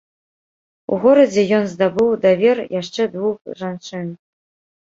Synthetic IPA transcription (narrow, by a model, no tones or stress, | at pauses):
ṵɣoɾɐd͡zʲejonzd̪abɨwd̪avʲerjaʂt͡ʂɛd̪vuxʐanʂɨn